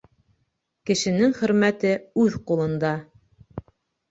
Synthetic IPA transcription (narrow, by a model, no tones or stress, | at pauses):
kɘ̆ʃɘ̆nɘŋχɵ̆ɾmæt̪ɘʉðqulˠɤ̆nd̪ɑ